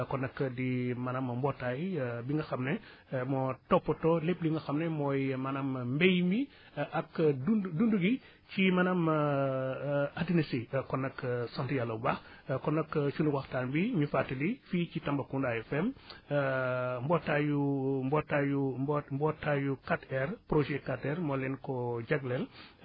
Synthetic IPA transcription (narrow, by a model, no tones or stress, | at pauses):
kɔnːɐkːdimɐnɐmɐmbɔtːajbiŋɡɐxɐmne | mɔtɔpːɐtɔlep̚liŋɡɐxɐmnɛmɔjmɐnɐmmbejmbi | ʔakdudunduɡi | cimɐnɐm | adinisikɔnːɐksɔntijalːɐbax | kɔnːɐkt͡ʃunuwaxtalbiɲufatːilifit͡ʃitɐmbɐkundajɛfɛm | mbɔtːajubɔtːajubmbɔtːajukatɛrpɾoʒɛkatɛɾmɔːlɛnkɔɟaɡlɛl